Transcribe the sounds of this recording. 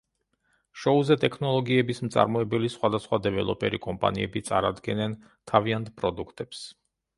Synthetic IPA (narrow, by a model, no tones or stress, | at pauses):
ʃɔuzɛt̪ʼɛkʰnɔlˠɔɡiɛbismt̪sʼa̰ɾmɔɛbɛlisχwad̪asχwad̪ɛvɛlˠɔ̰pʼɛ̰ɾikʼɔmpʼa̰niɛ̰bit̪sʼa̰ɾad̪ɡɛnɛn | t̪ʰaviant̪ʰpʼɾɔd̪ukʰt̪ʼɛps